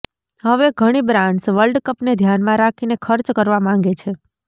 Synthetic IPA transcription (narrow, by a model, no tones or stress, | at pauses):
ɦəʋeɡʱəɽ̃ibɾãɳɖsʋəlɖkəpned̪ʱjanmãɾakʰinekʰəɾt͡ʃkəɾʋamãŋɡet͡ʃʰe